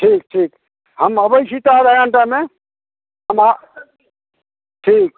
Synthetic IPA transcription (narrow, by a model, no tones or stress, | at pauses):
ʈʰiːk̚ʈʰiːk | həməbəjsʰit̪aɾəɡə̃ɳʈame | ɦəma | ʈʰiːk̚